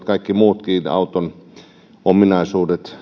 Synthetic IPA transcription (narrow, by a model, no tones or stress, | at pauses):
t̪kɑikːimuːt̪kiːnɑ̰ut̪on | ominɑisuːdet̪